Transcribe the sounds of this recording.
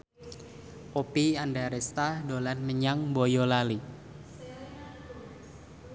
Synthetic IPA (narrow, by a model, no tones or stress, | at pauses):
ʔopiandaɾɛst̪ahdolanməɲaŋbojolali